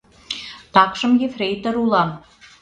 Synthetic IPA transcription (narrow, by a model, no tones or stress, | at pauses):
t̪ɑqʃə̆mjefrʲejt̪ə̆ɾulˠɑm